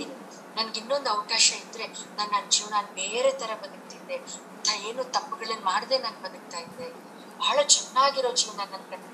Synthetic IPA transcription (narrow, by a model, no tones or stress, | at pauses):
nɐnɐɡinːond̪ɐʋɐkaːʃɐid̪ɾe̞naːnːand͡ʒiːʋnaːnbeːɾe̞t̪ɐɾɐbɐd̪ɐk̚t̪id̪ːe̞ɐnt̪ʰaːe̞ːnuːt̪ɐpːuɡɐɭɐnːmaːɽd̪e̞nɐːnɡ̚bɐd̪ɐk̚t̪aːjid̪ːe | bʱaːɐɭɐt͡ʃɛnːaːɡiɾo̞ːd͡ʒiːʋnaːnɐnkɐ